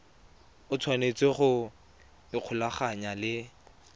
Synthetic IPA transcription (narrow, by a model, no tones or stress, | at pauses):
ʊt͡sʰwanet͡sʼɪχʊ | ɪq͡χʰʊlaχaɲalɪ